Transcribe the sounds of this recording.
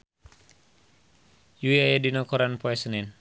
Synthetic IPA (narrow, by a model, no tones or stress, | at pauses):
juiajadinɔkɔɾanpɔɛsənɛn